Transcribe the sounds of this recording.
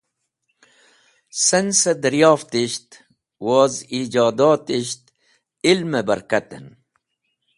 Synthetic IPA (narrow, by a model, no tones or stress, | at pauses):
sɐnsɐd̪ɐɾjɑːft̪iʃt̪ | woːzid͡ʑaːd̪aːt̪iʃt̪ | ilmebɐɾkɐt̪ḛn